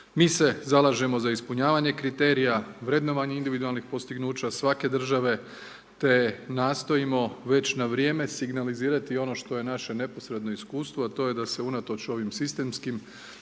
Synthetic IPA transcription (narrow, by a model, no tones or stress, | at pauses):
miːse̞zalˠaːʒe̞mo̞zaispuɲaːʋaɲe̞kɾit̪e̞ːɾijaʋɾe̞d̪no̞ʋaɲeind̪iʋid̪ualˠnixpo̞st̪iɡnuːt͡ɕasʋake̞d̪r̩ʒaʋe̞ | t̪e̞naːst̪o̞imo̞ʋe̞t͡ɕnaʋɾje̞ːme̞siɡnaliziːɾat̪io̞no̞ʃt̪o̞je̞naʃe̞ne̞po̞sɾe̞d̪no̞iskuːst̪ʋoat̪o̞ːje̞d̪ase̞unat̪o̞t͡ɕo̞ʋimsist̪e̞ːmskim